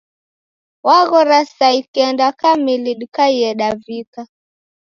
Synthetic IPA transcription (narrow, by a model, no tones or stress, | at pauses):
waɣɔɾasaikɛndakamiliɗikaiɛɗavika